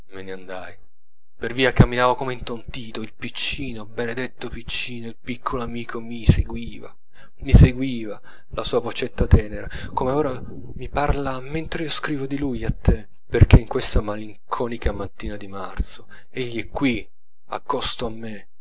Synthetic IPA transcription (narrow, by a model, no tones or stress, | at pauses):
meneand̪aj | perviːakamːinaːvokomeint̪ont̪iːt̪oilpit͡ʃːiːnobened̪et̪ːopit͡ʃːiːnoilpikʰːoloamiːkʰomiseɡwiːva̰ | miseɡwiːva | lasuːavot͡ʃet̪ːat̪ɛːneɾakomeoːɾa | miparlament̪ɾeiːoskɾiːvod̪ilujat̪ːe | perk̟eiŋkwest̪amaliŋkʰɔːnikʰamat̪ːiːnad̪imart̪so | eʎːiɛkːwi | a̰kːɔst̪oamːe